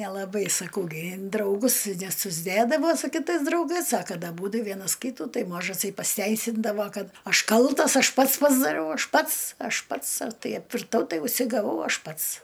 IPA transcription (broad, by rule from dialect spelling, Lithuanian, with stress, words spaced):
nʲɛlˠɐˈbɐɪ sɐˈkɐʊ ɡʲɪ ɪn drɐʊˈɡʊs nʲɛsʊzʲˈdʲeːdɐʋoː sʊ kʲɪˈtɐɪs drɐʊɡɐɪs ɐ ˈkɐt ɐˈbuːdʊ ˈʋʲiɛnɐs ˈkʲiːtʊ ˈtɐɪ ˈmɑːʒɐsɐɪ pɐsʲɪˈtʲɛɪsʲɪndɐʋoː ˈkɐt ˈɐʃ ˈkɐlˠtɐs ˈɐʃ ˈpɐts pɐzdɐˈrʲɛʊ ˈɐʃ ˈpɐts ˈɐʃ ˈpɐts ˈtɐɪ ɐpʲʋʲɪrˈtɐʊ ˈtɐɪ ʊʃʲsʲɪɡɐˈʋɐʊ ˈɐʃ ˈpɐts